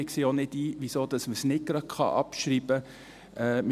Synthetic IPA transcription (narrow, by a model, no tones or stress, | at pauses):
ɪkseːonɪdiːʋisoːd̥ɑsməsnɪt̚ɡ̥ɾɑt̚kχɑ̰ʔɑ̰pʃɾiːb̥ə | ɛmɪ